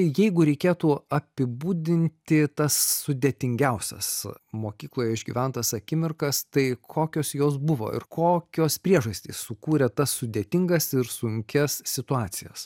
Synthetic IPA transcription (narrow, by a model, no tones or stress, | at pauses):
ɪjɛɪɡʊɾʲɛɪkʲeːt̪uːɐpʲɪbuːd̪ʲɪnʲt̪ʲɪt̪ɐsːʊd̪ʲeːt̪ʲɪŋʲɡʲɛʊsʲɛ̰smoːkʲiːklˠoːjɛɪʒʲɡʲḭːʋʲɛnt̪ɐsɐkʲɪmʲɪrkɐst̪ɐɪkʰoːkʲoːsjoːs̬bʊʋo̰ːɪ̰ɾkʰoːkʲoːspʲɾʲiɛʒɐsʲt̪ʲiːssʊkuːɾʲɛt̪ɐssʊd̪ʲeːt̪ʲɪŋɡɐsɪɾsʊŋʲkʲɛssʲɪt̪ʊɑːt̪sʲɪjɛs